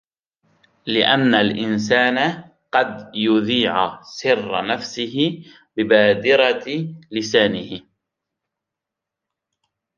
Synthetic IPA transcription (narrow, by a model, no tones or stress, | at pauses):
lɪʔanːalʔɪns̬aːna | qɑd̪jʊðiːʕsɪrːnafsɪɦɪ | bɪbaːd̪ɪɾɑlɪsaːnɪhɪ